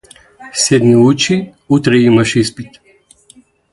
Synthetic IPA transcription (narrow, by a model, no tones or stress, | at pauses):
sɛd̪miut͡ʃi | ut̪ɾɛimaʃispit̪